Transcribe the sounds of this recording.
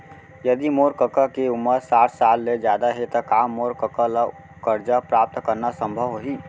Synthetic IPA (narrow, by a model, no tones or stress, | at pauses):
jəd̪imoɾkəkakeʊmːəɾsaːʈʰsaːlːed͡ʒjaːd̪aɦet̪əkaːmːoɾkəkala | kəɾd͡ʒapɾaːp̚t̪kəɾnasə̃mbʱəʋɦoɦiː